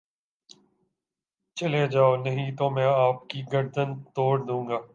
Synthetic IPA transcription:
t͡ʃɐled͡ʒaːonɐɦĩt̪oːmɛ̃ːaːpkiːɡəɾd̪ənt̪oːɾd̪ũːŋ̆ɡaː

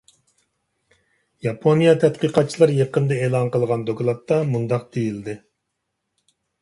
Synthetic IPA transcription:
jɑpʰonijɑt̪ʰɛt̪̚qiqɑt̪̚t͡ʃʰilˠɑɾjeqənd̪ɑeːlˠɑnqəlˠʁɑnd̪oklˠɑt̪ːɑmund̪ɑq̚d̪̥ejild̪ɪ

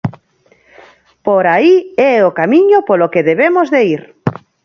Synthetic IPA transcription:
poɾaiɛokamĩɲopolokeðeβemozðeiɾ

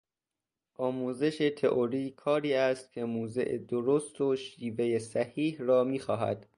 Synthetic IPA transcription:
ʔɒːmuːze̞ʃe̞t̪ʰe̞ʔoɾiːkʰɒːɾiːæst̪̚cʰe̞muːze̞̰ʔḛd̪oɾost̪oʃiːve̞jesæhiːhɾɒːmiːxɒːɦæ̰d̪̥

